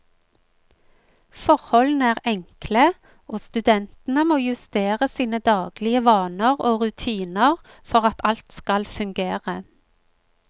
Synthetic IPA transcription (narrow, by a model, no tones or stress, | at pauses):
fɔʁhɔln̩æːʁɛŋklə | oːst̪ʉd̪ɛnt̪n̩əmoːjʉst̪eːʁəsiːnəd̪ɑːɡ̥lɪəʋɑːnəʁoːʁʉt̪ʰiːnəʁ | fɔʁɑt̪ʰɑlt̪skɑlfʉŋɡeːʁə